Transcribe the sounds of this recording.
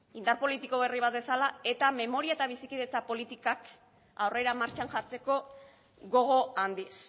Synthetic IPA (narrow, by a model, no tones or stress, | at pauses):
ind̪aɾpo̞lit̪iko̞βe̞riβ̞at̪̚be̞salae̞t̪ame̞mo̞ɾiaet̪aβ̞isikiðe̞t͡sapo̞lit̪ikak | awre̞ɾamaɾt͡ʃanʝat͡se̞ko̞ | ɣo̞ɣ̞o̞and̪is